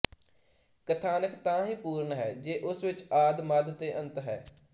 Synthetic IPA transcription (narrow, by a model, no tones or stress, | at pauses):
kət̪ʰaːnəkt̪ãːɦĩːpuːɾɳɦɛːd͡ʒeːʔʊsʋɪt͡ʃaːd̪məd̪t̪eːʔənt̪ɦɛː